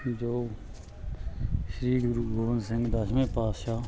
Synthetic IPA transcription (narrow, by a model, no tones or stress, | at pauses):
d͡ʒoː | ʃɾiːɡɾuːɡoːʋənsɪ̃ŋɡd̪aʃmẽːpaːsʃaː